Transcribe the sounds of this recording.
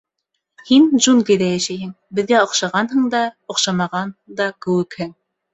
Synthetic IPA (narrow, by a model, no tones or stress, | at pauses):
hind͡ʒunkijd̪æjæʃæjɦɘŋ | bɘ̆ðɡæŏχʃɑʁɑnɦɤ̆ŋd̪ɑŏχʃɑmɑʁɑnd̪ɑkɘ̆wɘkhɘŋ